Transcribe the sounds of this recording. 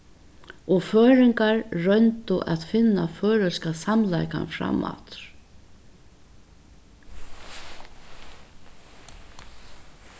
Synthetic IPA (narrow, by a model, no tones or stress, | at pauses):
ɔføːɾɪŋkaɹːœnt̪ʊʔaðfɪnːa̰føːɾʏskasamlajka̰nfɾa̰mːa̰t̪